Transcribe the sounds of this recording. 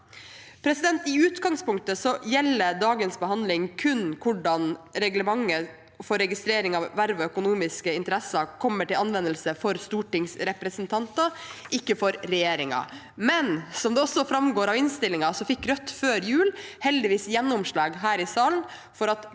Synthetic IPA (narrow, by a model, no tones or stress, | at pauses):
pʰɾɛsɪd̪ɛnt̪ɪʉːt̪ɡɑŋspʊŋk̚t̪əsɔjɛlːəɖ̪ɑːɡənsbəhɑnd̪lɪŋkʰʉnkʰʊɖɑnɾɛɡləmɑŋːə | fɔɾɛɡɪst̪ɾeːɾɪŋɑʋːæɾʋəœkʊnuːmɪskəɪnt̪əɾɛsɑkʰɔmːəʈɪlɑnʋɛnːəlsəfɔɾst̪uːʈɪŋsɾɛpɾəsənt̪ʰɑnt̪ɑʔɪkːəfɔɾɾɛjeːɾɪŋɑ̰ | mɛnsɔmd̪ɛɔsːɔfɾɑmɡoːɾɑʋɪnst̪ɪlːɪŋɑsɔfɪkːɾœt̪ːføːɾjʉːlhɛld̪ɪʋiːsjɛnːʊmʂɭɑːɡɦæːɾɪsɑːln | fɔɾɑt̪